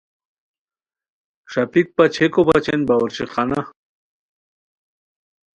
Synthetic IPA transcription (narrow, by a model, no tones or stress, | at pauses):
ʂapik̚pat͡ɕʰekopat͡ɕenbawɐɾɕiχana